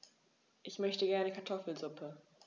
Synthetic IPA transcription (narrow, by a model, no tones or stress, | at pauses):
ʔɪçmœçtəɡɛɐnəkʰaɐtʰɔfl̩zʊpʰə